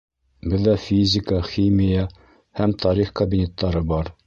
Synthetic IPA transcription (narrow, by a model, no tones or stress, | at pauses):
bɘðːæfʲizʲɪkəχʲimʲija | hæmt̪ʰɑɾiχkɐbʲinʲe̞t̪ːɑɾɤbɑɾ